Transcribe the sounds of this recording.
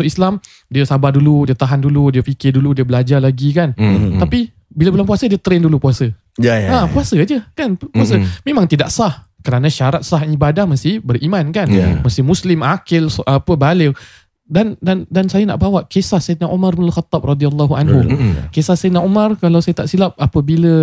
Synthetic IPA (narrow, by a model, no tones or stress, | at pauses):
soislam | diəsabaduludiət̪aɦanduludiəfikɪrduludiəbəlad͡ʒalaɡikant̪api | bilabəlaŋpuasədiət̪ɾendulupuasə | apuasəd͡ʒəkanpuasəmẽmãŋt̪idaʔsah | kəɾanãʃaɾat̪̚saɦibadahməst̪ɪhbəɾʔimankanməst̪ɪhmuslɪmakɪlsapəbalɪ | dandandansajana̰ʔbawaʔkesahsejd̪̚naʔomarbɪnalxat̪ːɑp̚rɔd̪ialːɔɦua̰nɦukesahsajd̪̚naomarkalawsajət̪aʔsilap̚apəbilə